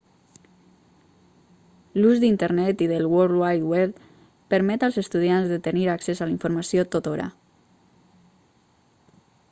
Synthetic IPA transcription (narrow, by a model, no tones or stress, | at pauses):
luzd̪int̪əɾnɛt̪iðəlwolwajt̪wɛ | pəɾmɛt̪alˠzəst̪uð̞ianzðət̪əniɾaksezaliɱfuɾmasiot̪ot̪oɾa̰